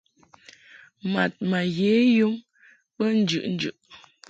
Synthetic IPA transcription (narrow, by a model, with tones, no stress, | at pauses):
ma˨t̚ma˨ɣeː˨˦ju˦ŋ | pə˦n̩˦d͡ʒʉ̰˦˨ʔn̩˦d͡ʒʉ̰˨ʔ